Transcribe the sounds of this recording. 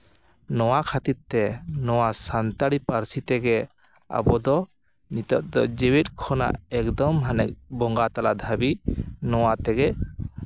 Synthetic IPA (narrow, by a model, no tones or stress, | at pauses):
nɔwakʰat̪iɾt̪ɛnɔwasant̪aɽipaɾsit̪ɛɡɛ | a̰bɔd̪ɔ | nit̪ɔʔ̚d̪ɔd͡ʒɛwɛt̪̚ˀkʰɔna̰ʔɛkd̪ɔmɦanɛk̚bɔŋɡat̪alad̪ʱabinɔwat̪ɛɡɛ